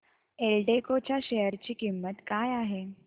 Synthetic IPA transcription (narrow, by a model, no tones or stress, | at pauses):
elɖekot͡ɕjaɕejəɾt͡ɕiːkimːət̪kajaɦe